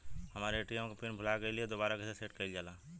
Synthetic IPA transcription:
hɐmaːɾeʈij̃kopɪnbʱʊlakelied̪oːbaːɾakeseseːʈkɐid͡ʒaːlaː

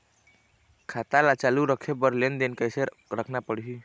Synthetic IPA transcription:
kʰat̪alat͡ʃaluɾəkʰebəɾlend̪enkəjse | ɾəkʰnapəɽɦi

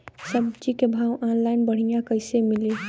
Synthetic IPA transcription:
səb̚t͡ʃikebʱawʔanlaɪnbəɽ̤ijãkəɪsemili

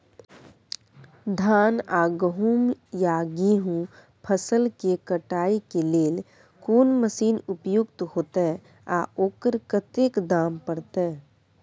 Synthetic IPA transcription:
d̪ʱaːnaːɡəɦuːmjaːɡiɦũ | pʰəsəlkekəʈaːikeleːl | koːnməsiːnʊpjʊɡt̪ɦoːt̪eɦɛ | a̰ːoːkəɾkət̪eːkd̪aːmpəɽt̪e

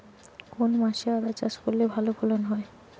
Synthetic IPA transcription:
konmaʃead̪at͡ɕaʃkolːebʱalobʰʱolonɦɔe

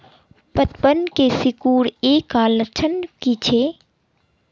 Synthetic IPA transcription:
pət̪pənkesɪkuːɾeːkːalət͡ʃʰənkit͡ʃʰe

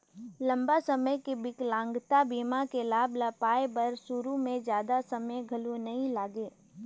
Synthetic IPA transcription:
lɐ̃mbasɐməjkebɪklãːŋɡt̪abiːmakelaːblɐpaːebɐɾsʊɾumẽd͡ʒjaːd̪asɐməjɡʱɐlunɐɦĩlaːɡeː

